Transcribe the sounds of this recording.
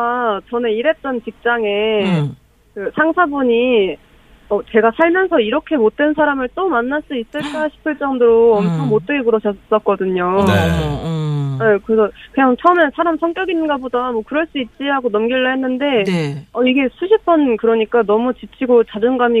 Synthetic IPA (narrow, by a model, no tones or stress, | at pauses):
at͡ɕʌneiɾe̞p̚t͈ʌnt͡ɕik̚t͡ɕ͈aŋe̞ | kɯsʰaŋsʰabuɲi | ʌt͡ɕe̞ɡasʰaɭmjʌnsʰʌiɾʌkʰe̞mot̚t͈we̞nsʰaɾamɯɭt͈omanːaɭs͈uis͈ɯɭk͈aɕʰi̥pʰɯɭt͡ɕ͈ʌmdoɾoʌmt͡ɕʰʌŋmot͈̚eɡekuɾʌɕʰʌs͈ʌk̚k͈ʌdɯɲo | ekɯɾesʰʌkɯɲaŋt͡ɕʰʌumensʰaɾamsʰʌŋk͈jʌɡinɯnɡabodamwʌkɯɾʌɭs͈uit̚t͡ɕ͈iɦaɡonʌmɡiɭːʌɦenːɯnde̞ʌiɡe̞sʰuɕʰip͈̚ʰʌnkɯɾʌɲik͈anʌmut͡ɕit͡ɕʰiɡot͡ɕad͡ʑʌŋɡami